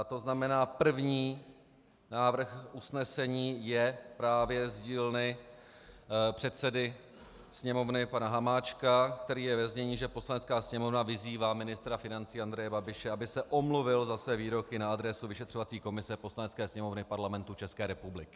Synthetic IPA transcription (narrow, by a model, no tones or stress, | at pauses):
t̪o̞znamɛnaːpr̩vɲiː | naːvr̩xʔusnɛsɛɲiːjɛpɾaːvjɛzɟiːlnɪ | pr̥ɛt̪sɛdɪ | sɲɛmo̞vnɪpanaɦamaːt͡ʃkakt̪ɛɾiːjɛvɛzɲɛɲiːʒɛpo̞slanɛtt͡skaːsɲɛmo̞vnavɪziːvaːmɪnɪst̪ɾafɪnant͡siːand̪ɾɛjɛbabɪʃɛabɪsɛʔo̞mluvɪlzasvɛːviːɾo̞kɪnaad̪ɾɛsuvɪʃɛt̪r̥o̞vat͡siːko̞mɪsɛpo̞slanɛtt͡skɛːsɲɛmo̞vnɪpaɾlamɛnt̪ut͡ʃɛskɛːɾɛpublɪkɪ̥